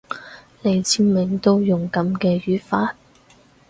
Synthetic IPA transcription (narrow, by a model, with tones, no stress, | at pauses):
le˨˧jt͡sʰiː˥mɪ˨ŋt̪o˥wjʊ˨˩ŋkɐ˨˥mkɛː˧jyː˨˥faː˧˥t̚